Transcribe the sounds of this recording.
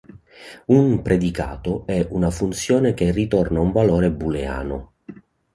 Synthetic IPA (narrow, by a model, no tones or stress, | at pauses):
umpɾʔed̪ika̰ːt̪ʊɛunafunt̪sjɔːnekerːit̪ɔrnauɱvalɔːɾebːulea̰ːnʊ̰